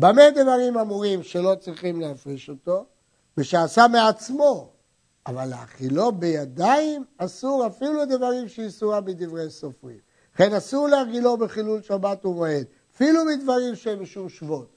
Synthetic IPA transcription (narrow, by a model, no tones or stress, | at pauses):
bamed̪vaʁimamuʁimʃe̞lo̞t͡sʁiχimleafʁiʃo̞t̪o̞ | beʃaːsameat͡smo̞ | avalea̰χilo̞bejad̪aimasuʁafilued̪avaʁimʃeisuʁamid̪ivʁejsofʁḭm | aχe̞nasuʁleaʁɡilo̞beχilulʃabat̪umoed̪ | afilumid̪vaʁimʃeenbʃumʃvo̞t̪